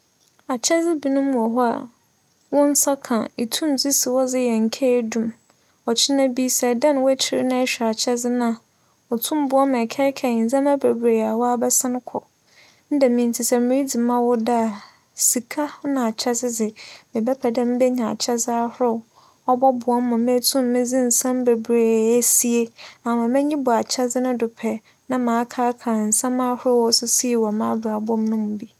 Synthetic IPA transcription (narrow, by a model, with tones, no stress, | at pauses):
a˨t͡ɕʰɛ˦d͡zɪ˦bi˨nʊ̃˦mũ˨ɔ˨ɦɔ˦a̰˨ | wɔ̃˦n̩˦sa˦kʰã̰˨i˨tʰũ˦md͡zi˦si˨wɔ˦d͡zɪ˦jɛ˨ŋ̩˨kʰɛ˦dũ˦m | ɔ˨t͡ɕʰɪ˦nã˦bi˦sɛ˨dã˦n˨˦wɔ˦t͡ɕʰɪ˦ɾɪ˦nã˦ɛ˦ɕᶣa˨t͡ɕʰɛ˦d͡zɪ˦nã˦˨ | ɔ˨tʰʊ̃˦m˦bʊ˦ɔ˦mɛ̃˨kʰɛ˦kʰɛ˨n̩˨d͡zã˦mæ˦bæ˨bɾe˨a˨wɔ˦a˦bɛ˦sɪ̃˦n˦kʰɔ̰˨ | n̩˦dɛ˨mĩ˨n̩˨tʰɪ˨sɛ˨mĩ˨ɾi˦d͡zi˨mã˦wɔ˦da˦a˨ | si˨kʰa˦nã˨a˨t͡ɕʰɛ˦sɪ˦d͡zɪ˨mɪ̃˨bɛ˦pʰɛ˨dɛ̃˦m˦bɛ˦ɲã˨a̰˨t͡ɕʰɛ˦sa˦hʊ˦ɾʊ˦ | ɔ˦bɔ˦bʊ˨ɔ˦m˦mʊ̃˨mɪ̃˦tʰʊ̃˦mː˦ɪ̃˦d͡zĩ˦n̩˨sã˦m˦be˨bɾe˨æ˦si˦e˦a˨mã˨mɛ̃˦ɲĩ˦bʊ˨a˨t͡ɕʰɛ˦d͡zɪ˦nʊ̃˦dʊ˨pʰɛ˨ | nã˦mãː˨˦kʰaː˦kʰa˨n̩˨sã˦mã˦hʊ˦ʊ˦wɔ˦sʊ˦si˦˨wɔ˨mã˦ba˨bʊ˦ɔ˦m˦nʊ̃˦mʊ̃˨bi˦